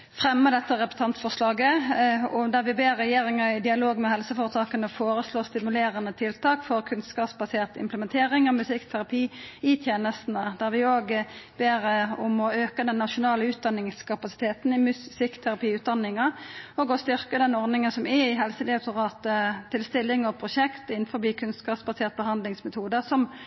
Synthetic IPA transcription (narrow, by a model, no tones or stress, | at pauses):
fʁɛmːəd̪ɛt̪ːəʁɛpt̪ʰɑnt̪fɔʁslɑːɡəɔd̪æʁʋɪbeːʁːɛjeːʁɪŋəɪd̪ɪɑloːɡmɛɦɛlsəfoːʁət̪ʰɑːkənəfoːɾəsloːst̪ɪmʉleːɾənət̪ʰɪlt̪ʰɑːkfɔʁkʰʉnskɑːpsbɑseːʁt̪ɪ̰mpləmɛnt̪ʰeːʁɪŋɔmʉsɪkt̪ʰæʁɑpʰiːɪt̪ʰjeːnəst̪nəd̪æʁʋɪoːɡb̥eːʁʊmɔøːkəd̪ɛnːɑʃʊnɑːləʉːt̪̚d̪ɑnːɪŋskʰɑpɑsɪ̥t̪ʰeːt̪n̩ɪmsɪkːt̪ʰæʁɑpiːʉːt̪̚d̪ɑnːɪŋɑɔɡɔst̪ʏʁkəd̪ɛnɔʁnɪŋənsɔmɛɪɦɛlsəd̪ɛt̪ʊʁɑːt̪əɪlst̪ɪlːɪŋɔpʰɾʊʃɛkt̪ɪnfɔbiːkʰʉnskɑːpsbɑseːʁt̪̚bəɦɑnd̪lɪŋsmɛt̪ʰuːd̪əsɔm